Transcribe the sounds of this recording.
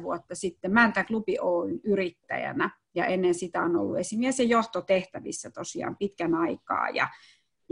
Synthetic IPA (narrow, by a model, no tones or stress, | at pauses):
ʋuot̪ːɑsit̪ːemænt̪æklupiʔoːinyrit̪ːæ̰jæ̰næ | jɑ̰ʔenːensit̪æono̰lːṵesimiæsejoht̪ot̪eht̪æʋḭsːæt̪osiɑ̰ːmpit̪kænɑikɑ̰ːjɑ̰